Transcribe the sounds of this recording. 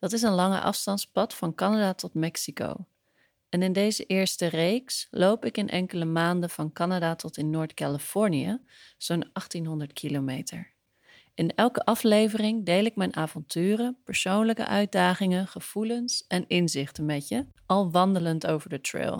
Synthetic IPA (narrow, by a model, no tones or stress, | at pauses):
d̥ɑtɪs̬ənlɑŋə̰ʔɑ̰fstɑntspɑtfɑnkɑnadaːtɔtmɛksiko̰w | ɛnɪndejzəʔɪːɹstərejkslowpɪkɪnʔɛŋkələmaːndəv̥ɑnkɑnadatɔtɪnːʊːɹtkalifɔɹnijə̰ | z̥onʔɑχtinɦɔndəɹtkʰilomejtə̰ɹ | ɪnɛlˠkəʔɑflejvərɪŋdejlɪkmɛjnʔaːvɔntyːrəpəɹsownləkə̰ʔœɥt̚daːχɪŋəχəv̥ulənsɛnɪnzɪχtəmɛtjəʔɑlˠʋɑndələntowvəɹdətrɪ̰lˠ